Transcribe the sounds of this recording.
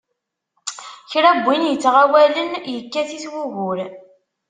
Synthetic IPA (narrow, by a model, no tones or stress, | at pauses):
çɾæbʷːinjət͡sːʁawælənjəkːæθiθwuɣʊɾ